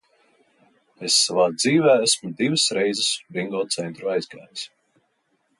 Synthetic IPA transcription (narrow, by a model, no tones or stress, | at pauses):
esːavaːd̪ziːvæːæsmud̪ivəsɾejzəsbɾiŋɡɔːt̪sɛnt̪ɾuajzɡa̰ːjs